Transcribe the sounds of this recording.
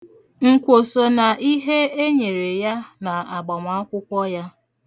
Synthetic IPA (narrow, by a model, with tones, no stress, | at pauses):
ŋ̩˨kʷo˨so˨na˨ʔi˦ɦe˦e˦ɲe˨ɾe˨ja˦na˨a˨ɡ͡ba˨ŋʷa˨˦a˦kʷʊ˦kʷɔ˦ja˦